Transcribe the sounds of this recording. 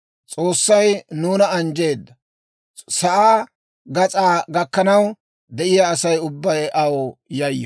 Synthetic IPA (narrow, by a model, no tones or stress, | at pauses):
t͡sʼo̞ːsːɐjnuːnɐɐnd͡ʒe̞ːd̪ːɐ | sɐʔaː | ɡɐt͡sʼaːɡɐkːɐnɐw | d̪ɛʔɪjaːsɐjʊbːɐjʔɐwɔjɐjːɔ